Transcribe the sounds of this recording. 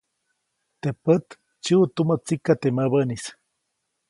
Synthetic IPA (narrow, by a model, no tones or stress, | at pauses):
t̪epət̪ | t͡ʃiut̪umət͡sikat̪eməbənis